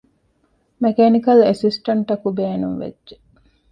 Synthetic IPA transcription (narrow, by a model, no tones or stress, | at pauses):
mekenikɐlesisʈɐɳʈɐkubeːnuŋʋḛd͡ʒʒe